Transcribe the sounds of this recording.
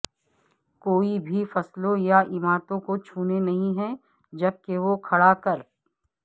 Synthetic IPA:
koːibʱifɐslõjaʔɪmaːt̪õkot͡ʃʰuːnenɐɦĩɦɛ | d͡ʒɐb̚keʋokʰɐɽakɐɾ

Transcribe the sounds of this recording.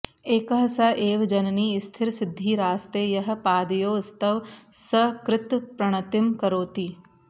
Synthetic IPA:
eːkəɦɐsɐʔeːʋd͡ʒɐnniːɪst̪ʰɪɾsɪd̪ʱːiːɾaːst̪eːjɐɦɐ̆paːd̪ijoːst̪ɐʋsɐkɾɪt̪pɾɐɳ̃ɐt̪ɪmkɐɾoːt̪iː

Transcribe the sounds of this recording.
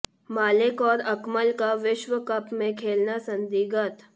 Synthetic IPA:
maːlɪkɔːɾɐkməlkaʋɪʃʋəkəpmẽkʰeːlnasə̃nd̪iːɡət̪

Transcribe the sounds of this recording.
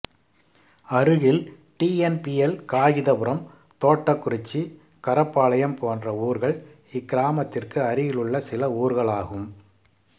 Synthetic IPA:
ɐɾɯɣɪl | ʈiːɛnpiɛlkaːɣɪðɐpɯɾɐm | t̪oːʈːɐkːʊɾɪt͡ʃːi | kɐɾɐpːaːɭɐjɐmpoːndrɐuːɾɣɐɭ | ɪkːɪɾaːmɐt̪ːɪrkɯɐɾɪjɪlɯɭːɐsɪlɐuːɾɣɐɭaːɣɯm

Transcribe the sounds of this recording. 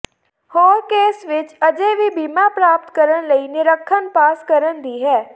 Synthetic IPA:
hoːɾkeːsʋɪt͡ʃəd͡ʒeːʋiːbiːmaːpɾaːp̚t̪kəɾənləiːnɪɾəkʰːənpaːskəɾənd̪iːɦɛː

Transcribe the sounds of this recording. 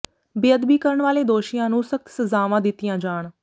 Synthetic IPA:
bɪəd̪biːkəɾəɳʋaːleːd̪oːʃijãːnũːsək̚t̪səzaːʋãːd̪ɪt̪ːɪjãːd͡ʒaːɳ

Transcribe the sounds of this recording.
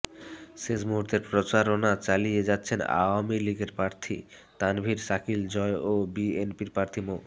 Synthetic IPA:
ʃeʃmuɦuɾt̪eɾpɾot͡ɕaɾonat͡ɕalijed͡ʑatːɕʰena̰wamiliɡeɾpɾaɾt̪ʰḭ | t̪anbʱiɾsakild͡ʑɔeobienpiɾpɾaɾt̪ʰimo

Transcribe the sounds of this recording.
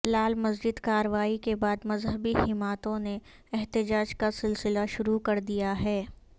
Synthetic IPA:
laːlmɐzd͡ʒɪd̪kaːɾəʋaːikebaːd̪mɐzɦəbihɪmaːt̪õne | ɛɦt̪ɪd͡ʒaːd͡ʒkasɪlsɪlaʃʊɾukɐɾd̪ijaɦɛː

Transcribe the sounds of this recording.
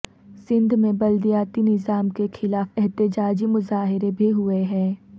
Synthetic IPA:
sɪ̃nd̪ʱmẽbɐld̪ijaːt̪inɪzaːmkexʰɪlaːfɛɦt̪ɪd͡ʒaːd͡ʒimʊzaːɦɪɾebʱiɦʊeɦɛ̃ː

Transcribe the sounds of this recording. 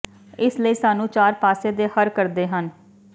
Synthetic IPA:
ɪsləiːsaːnũːt͡ʃaːɾpaːseːd̪eːhəɾkəɾd̪eːɦən

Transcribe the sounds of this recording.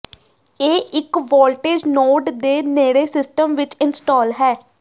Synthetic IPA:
eːʔɪkʋɔːlʈeːd͡ʒnoːʈd̪eːneːɽeːsɪsʈəmʋɪt͡ʃɪnsʈɔːlɦɛː

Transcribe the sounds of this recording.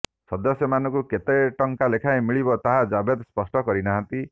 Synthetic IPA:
sɔd̪ɔsjɔmanɔkuket̪eʈɔŋkalekʰajmiɭibɔt̪aɦad͡ʒabed̪spɔsʈɔkɔɾinaɦãnt̪i

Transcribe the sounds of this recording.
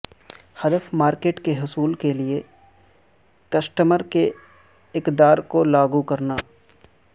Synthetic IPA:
hɐd̪əfmaːɾkeːʈkeɦʊsuːlkelie | kɐsʈəməɾke | ɪkd̪aːɾkolaːɡukɐɾnaː

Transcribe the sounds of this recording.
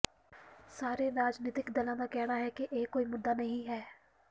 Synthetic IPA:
saːɾeɾaːd͡ʒnɪːt̪ɪkd̪ɐlãd̪akɛɦnaɦɛkeʔeːkːoːimʊd̪ːanɐɦĩɦɛː

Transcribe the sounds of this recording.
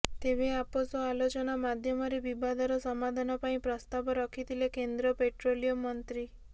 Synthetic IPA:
t̪ebeaposɔalot͡ʃɔnamad̪ʱjɔmɔɾebibad̪ʱɔɾɔsɔmad̪ʱanɔpaĩpɾɔst̪abɔɾɔkʰit̪ʰilekend̪ɾɔpeʈɾolijomɔnt̪ɾi

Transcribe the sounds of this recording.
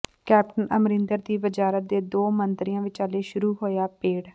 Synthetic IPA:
kɛːp̚ʈənəmɾɪ̃nd̪əɾd̪iːbəd͡ʒaːɾət̪̚d̪eːd̪oːmənt̪ɾɪjãːʋɪt͡ʃaːleːʃʊɾuːɦoːjaːpeːɽ

